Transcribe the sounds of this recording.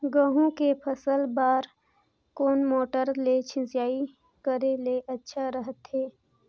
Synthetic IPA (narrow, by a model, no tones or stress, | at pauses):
ɡəːɦũkepʰəsəlbaːɾ | koːnmoːʈəɾlet͡ʃʰɪ̃zjaːi | kəɾeleʔɐtːʃʰaɾəɦət̪ɦeː